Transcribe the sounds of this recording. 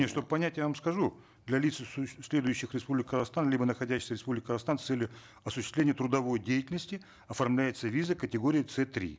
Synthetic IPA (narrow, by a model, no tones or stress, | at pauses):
eʂt̪o̞bəpɐnʲætʲjavamskɐʐu | d̪lʲɐlʲit̪ssʲlʲe̞d̪ʊjʉɕːɪxɾʲɪspublʲɪkːəzɐxst̪anlʲibənəxɐdʲæɕːsʲəɾʲɪspublʲɪk̚ʲkəzɐxst̪anst̪ɛlʲjʊ | ɐsʊʃɕːɪ̥st̪lʲenʲɪjət̪ɾʊd̪ɐvo̞jdʲejɪtʲɪlʲnəsʲtʲɪ | ɐfɐrmlʲæjɪt̪səvʲizəkətʲɪɡo̞ɾʲɪːt̪sɛt̪ɾʲḭ